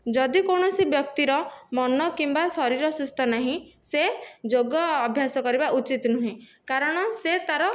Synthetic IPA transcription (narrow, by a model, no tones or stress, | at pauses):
d͡ʒɔd̪ikoɳ̃ɔsibjɔk̚t̪iɾɔmɔnɔkimbasɔɾiɾɔsust̪ʰɔnaɦĩsed͡ʒoɡɔːbʱjasɔkɔɾibaʔut͡ʃit̪nuɦĩkaɾɔɽ̃ɔset̪aɾɔ